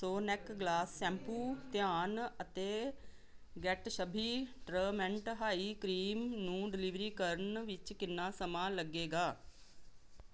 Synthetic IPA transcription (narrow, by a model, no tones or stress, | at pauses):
soːnɛkɡlaːsːɛ̃ːmpuːt̪jaːnət̪eː | ɡɛːʈʃəbʱiːʈɾəːmɛ̃ɳʈɦaːiːkɾiːmnũːɖɪlɪʋɾiːkəɾənʋɪt͡ʃkɪnːãːsəmãːləɡeːɡaː